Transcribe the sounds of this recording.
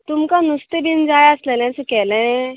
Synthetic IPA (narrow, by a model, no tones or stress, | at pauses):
t̪umkanust̪ebʱind͡ʒaːjaslelɛ̃sukɛːlẽ